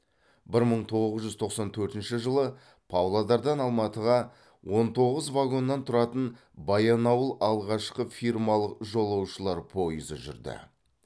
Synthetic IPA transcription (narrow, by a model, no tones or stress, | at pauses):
bɪɾməɴt̪ʰo̞ʁʁəzʒʏzt̪ʰo̞qsɑnt̪ʰɵɾt̪ɪnʃɪʒəlˠə | pʰawlˠad̪ɑɾd̪ɑnɑlˠmɑt̪əʁɑ | wʔo̞nt̪ʰo̞ʁəzvaɡo̞nːɑnt̪ʰʊɾɑt̪ən | bɑjɑnɑwəlˠɑlˠʁɑʃqəfʲirmɑlˠəqʒo̞lˠɑwʃəlˠɑɾpʰo̞jəzə̰ʒʏ̰ɾd̪ɪ̰